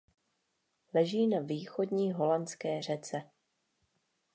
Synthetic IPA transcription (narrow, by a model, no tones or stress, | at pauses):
lɛʒiːnaviːxo̞dɲiːɦo̞lant͡skɛːr̝ɛt͡sɛ